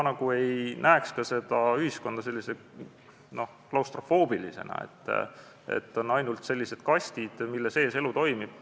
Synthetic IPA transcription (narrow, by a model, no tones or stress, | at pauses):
nɑɡ̥ue̞jnæekskɑse̞d̪̥ɑyhisko̞nd̪̥ɑse̞lːise | no̞h | klɑwst̪ro̞fo̞ːb̥ilise̞̰nɑ̰ḛt̪ːˑ | ḛt̪ːˑo̞nːɑjnult̪se̞lʲːise̞d̪̥̚kɑsʲt̪id̪̥milːese̞ːse̞lut̪o̞jmib̥